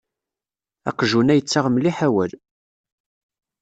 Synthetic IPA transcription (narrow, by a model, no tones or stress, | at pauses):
æ̰qʒunæjət͡sːaʁmliħawæl